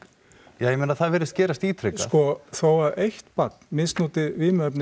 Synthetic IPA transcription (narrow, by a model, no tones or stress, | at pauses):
jaːjɛmeːnaθaðvɛːɾɪst̪̚cɛːɾast̪iːt̪ʰɾeaskɔθowaðejht̪pat̪n̥mɪnst̪nuːt̪ɪviːmœpnɪ